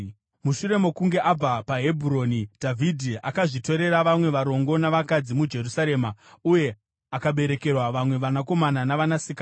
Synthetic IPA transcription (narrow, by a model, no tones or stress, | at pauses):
muʃuɾe̞mo̞kuŋɡe̞ʔab͡vapaɦe̞bʱuɾo̞nid̥ʱavʱidʱia̰kaʐito̞ɾe̞ɾaʋamwe̞ʋaɾo̞ŋɡo̞naʋakad͡zimud͡ʒe̞rusaɾe̞ːmauje̞ | akaɓe̞ɾe̞ke̞rwaʋamwe̞ʋanako̞mananaʋanasikaː